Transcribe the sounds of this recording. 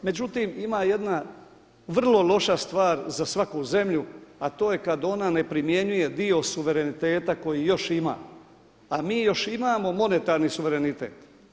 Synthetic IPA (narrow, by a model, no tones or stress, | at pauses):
me̞d͡ʑut̪iːmimaːje̞d̪na | ʋr̩lˠo̞lˠo̞ʃast̪ʋaːɾzasʋakuze̞mʎuat̪o̞ːje̞kad̪o̞nane̞pɾimje̞ɲuje̞d̪io̞suʋe̞ɾe̞nit̪e̞ːt̪ako̞jijo̞ʃima̰ː | amiːjo̞ʃimaːmo̞mo̞ne̞t̪aːɾnisuʋeɾenit̪ḛːt̪